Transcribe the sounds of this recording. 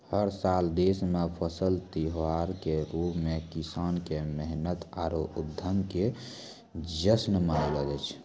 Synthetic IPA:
həɾsald̪esmepʰəsəlt̪iɦaɾkeɾupmekisaːnkeməɦnət̪aɾoud̪ʱːəmke | d͡ʒəsnmənələd͡ʒət͡ʃʰ

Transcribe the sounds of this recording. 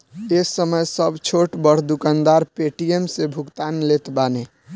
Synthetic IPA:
esəməjsəbʱt͡ʃʰoʈbəɽ̤d̪ukand̪aɾpeʈiemsebʱukt̪anlet̪bane

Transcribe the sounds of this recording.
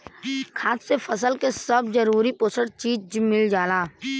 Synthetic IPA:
kʰaːssefʰəs̬əlkesəbzəɾuːɾipoːsəɽt͡ʃiːd͡ʒmɪld͡ʒaːlaː

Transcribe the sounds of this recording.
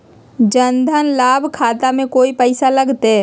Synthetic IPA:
d͡ʒənd̪ʱənlaːbʱkʰaːt̪amẽkoːipəɪsaləɡt̪ɛ

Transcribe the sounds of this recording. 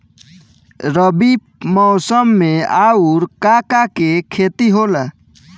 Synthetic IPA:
ɾəbi | mɔsəmːeauɾkakakekʰet̪iɦolə

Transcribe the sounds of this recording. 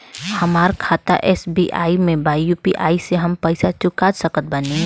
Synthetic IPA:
hɐmaːɾkʰaːt̪a̰ʔɛːsbiʔa̰ːimẽbaːjupiʔaːiseɦɐmpəɪsat͡ʃʊkaːd͡ʒsəkət̪̚bɐni

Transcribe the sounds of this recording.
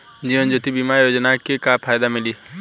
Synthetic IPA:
d͡ʒiːʋənd͡ʒot̪ibimaɾjod͡ʒnakekapʰaːjd̪amɪli

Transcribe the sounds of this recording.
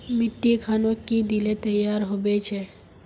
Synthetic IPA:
miʈːikʰanokid̪ilet̪əjaɾɦobɛt͡ʃʰɛ

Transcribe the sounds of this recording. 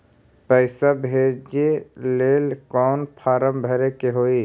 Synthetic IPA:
pəɪsabʱeːd͡ʒeleːlkɔːnpʰaːɾəmbʱɛɾekeɦoːi

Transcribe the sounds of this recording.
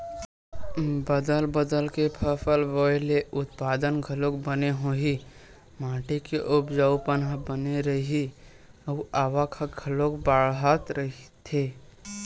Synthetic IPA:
bəd̪əlbəd̪əlkepʰəpʰəlʋoːjleʔʊt̪paːd̪ənɡʱəlok̚bəneɦoɦi | mãːʈekeʔʊpd͡ʒaʊpənɦabəneɾəɦi | uaːʋakʰəɡʱəlok̚baːɭɦat̪ɾəɦit̪ʰe

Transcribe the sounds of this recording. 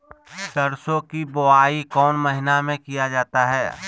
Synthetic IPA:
ʃɐɾsõkiboaːikɔːnmɐɦɪnamẽkijad͡ʒaːt̪aɦɛː

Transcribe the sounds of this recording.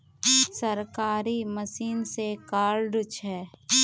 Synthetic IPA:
səɾkaːɾiməsiːnsekaːɾlɖt͡ʃʰɛː

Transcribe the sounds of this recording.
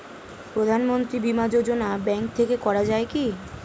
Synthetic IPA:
pɾod̪ʱanmont̪ɾibimad͡ʑod͡ʑonabɛŋk̚t̪ʰekekɔɾad͡ʑaeki

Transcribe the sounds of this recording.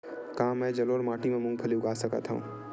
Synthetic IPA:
kãːmɛ̃ːd͡ʒəloːɾmaːʈimẽmʊ̃ŋɡ̚pʰɐliʊɡaːsəkə̰t̪ʰɦũũː

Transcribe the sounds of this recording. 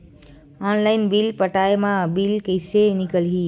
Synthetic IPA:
ɔnlajnbilpəʈaemãbilkəjsenikəlɦi

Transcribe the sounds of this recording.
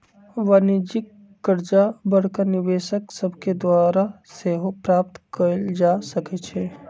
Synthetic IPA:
ʋaːnid͡ʒɪkː | əɾd͡ʒabəɽ̤kanɪʋeːʃəksɐbked̪waːɾaseːɦopɾaːp̚t̪kəɾd͡ʒaːsɐket͡ʃʰe

